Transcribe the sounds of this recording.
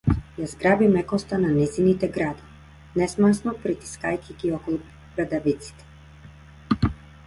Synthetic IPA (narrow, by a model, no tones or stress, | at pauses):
jazɡɾabimɛkɔst̪ananɛzinit̪ɛɡɾad̪ɔ | nɛsmansnɔpɾit̪i̥skajkʲiɡiɔkɔlˠu | ɡɾad̪avit̪si̥t̪ɛ̥